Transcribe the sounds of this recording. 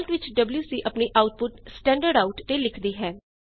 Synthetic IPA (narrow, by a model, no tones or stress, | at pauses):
lʈʋɪt͡ʃɖəbljuːsiːʔəpniːʔaːʊʈ̚pʊʈsʈɛ̃ːɳɖəɾɖaːʊʈt̪eːlɪkʰd̪iːɦɛː